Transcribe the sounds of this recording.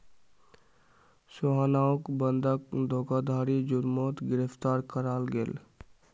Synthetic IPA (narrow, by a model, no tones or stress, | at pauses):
soɦanaːokbə̃nd̪ʱək̚d̪ʱoːɡad̪ʱaːɾid͡ʒʊɾmɔːt̪ɡɪɾəpt̪aːɾkəɾaːlɡḛl